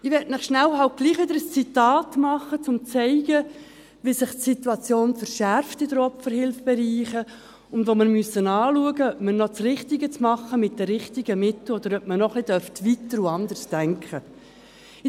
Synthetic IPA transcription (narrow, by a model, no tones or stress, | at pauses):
ɪʋɛːtnɪχʃnælhɑlt̚ɡ̥liːχʋɪd̪əɾəst͡sitɑːtmɑχət͡sʊmt͡sɛɪɡ̥ə | ʋisɪχtsituɑt͡sjoːnfəɾʃæɾftɪdəɾɔfəɾhɪlfb̥ɛɾiːχə | ʊndʋoməɾmyəsːənɑːluəɡəœpmənɔt͡srɪχtɪɡət͡smɑχːəmɪt̚dɛɾɪχtɪɡ̥əmɪt̪l̩ɔd̥əɾœpmənɔχlɪd̥œɾftʋitəɾuɑnd̪ərsd̥æŋkχə